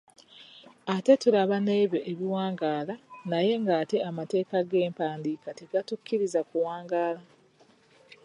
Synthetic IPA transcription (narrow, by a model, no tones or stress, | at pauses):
ate̞tulaβane̞ːβjo̞ʔeβiwaːŋɡaːlanaje̞ŋɡaːte̞amate̞ːkaɡe̞ːmpaːndiːkate̞ɡatukːiɾizakuwaːŋɡaːla